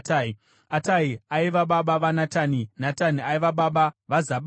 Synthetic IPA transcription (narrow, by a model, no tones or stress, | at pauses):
ta | ataiaiʋaɓaɓaʋanataninataniaiʋaɓaɓaʋazaɓ